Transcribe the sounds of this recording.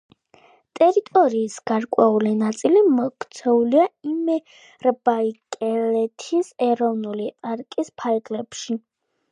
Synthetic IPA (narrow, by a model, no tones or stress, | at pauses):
t̪ʼɛɾit̪ʼɔɾiːsɡ̥aɾkʼwɛulinat̪sʼilimɔkt̪sʰɛuliaimɛ | ɾbaikʼɛlɛt̪ʰisɛɾɔvnulitʼaɾkʼispʰaɾɡlɛpʃi